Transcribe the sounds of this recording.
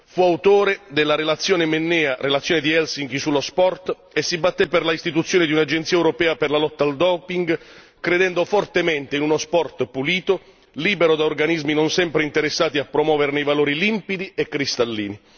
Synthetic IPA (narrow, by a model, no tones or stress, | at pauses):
fuawt̪oːɾed̪elːaɾelat̪sːjoːnemenːɛːaɾʔelat̪sːjoːned̪iɛlsiŋkisulːospɔrt̪ | esːibat̪ːepːerlaist̪it̪̬ut̪sːjoːnɪd̪iunad͡ʒent̪siːɛwɾopɛːaperlalɔt̪ːaːld̪ɔːpiŋɡ | kɾed̪ɛnd̪ofɔrt̪ement̪einunospɔrt̪puliːt̪o | liːbeɾod̪aorɡanizminonsɛmpɾeint̪eɾesːaːt̪iapːɾomwɔːvernejvaloːɾilimpid̪iekːɾist̪alːḭːni